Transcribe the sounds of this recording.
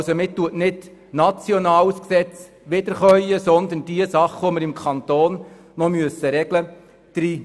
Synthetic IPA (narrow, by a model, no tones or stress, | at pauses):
somɪt̪ːuətnɪdnɑt͡sjɔnɑːlsksɛt͡s | ʋɪd̪əɾχœʏəsɔnd̪ənd̥iəsɑχʋoməɾɪmkʰɑnt̪oːn | nɔmyəsəɾɛɡlə | d̪̥ɾiː